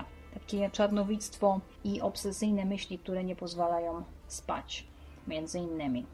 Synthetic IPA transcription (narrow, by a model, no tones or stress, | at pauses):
t̪akʲet͡ʂaɾnɔvʲit̪st̪fɔ | iʔɔpsɛsɘjnɛmɘɕlʲik̚t̪uɾɛɲɛpɔzvalajɔ̃w̃ | spa̰t͡ɕ | mʲjɛnd̪zɘinːɘmʲi